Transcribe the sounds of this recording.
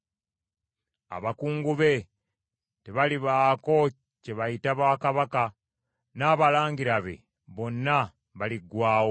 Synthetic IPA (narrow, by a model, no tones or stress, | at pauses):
a̰βakuːŋɡuβe̞ | te̞βaliβaːko̞ | ce̞βajitaβaːkaβaka | naːβalaːŋɡiɾaβe̞̰ | βo̞nːa | βaliɡwaːwo